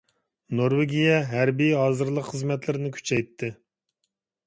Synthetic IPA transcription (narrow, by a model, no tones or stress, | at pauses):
noɾweɡʲijɛɦæɾbijɦɑːzɨɾlˠəqχəzmɛt̪lɪɾɪnɪkʲʰy̥t͡ʃʰɛjt̪ʰːɪ